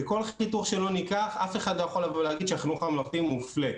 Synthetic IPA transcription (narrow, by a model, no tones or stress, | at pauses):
eko̞lit̪uχʃelo̞nikaχafe̞χad̪lojaχo̞lavoleaɡid̪ʃeaχinuχamloχt̪imufle